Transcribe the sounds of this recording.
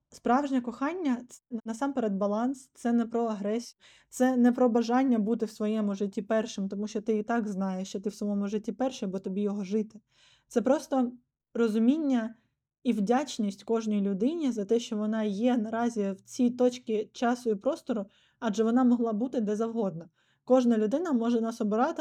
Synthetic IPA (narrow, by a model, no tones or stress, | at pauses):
spɾɑʋʒnʲɛkɔxɑnʲːɐnɐsɑmpeɾɛd̪̚bɐlˠɑnst̪sɛnɛpɾɔɐɦɾɛsʲi | t̪sɛnɛpɾɔbɐʒɑnʲːɐbut̪ɪwsʋɔjɛmʊʒɪtʲːipɛrʃɪmt̪ɔmuʃt͡ʃɔt̪ɪit̪ɑɡznɑjeʃt͡ʃɔt̪ɪwsɔmɔmʊʒɪtʲːipɛrʃɛbɔt̪ɔbʲijɔɦɔʒɪt̪ɪ | t̪sɛpɾɔst̪ɔ | rɔzʊmʲinʲːɐ | iwdʲat͡ʃnʲisʲtʲkɔʒnɔjlʲʊd̪ɪnʲizɐt̪ɛʃt͡ʃɔʋɔnɑjɛnɐɾɑzʲiwt͡sʲit̪ɔt͡ʃkɪt͡ʃɑsʊipɾɔst̪ɔɾʊ | ɑd͡ʒɛʋɔnɑmɔɦlˠɑbut̪ɪd̪ɛzɐwɦɔd̪̚nɐ | kɔʒnɐlʲʊd̪ɪn̪ɐmɔʒɛnɑsɔbɪɾɑt̪ɪ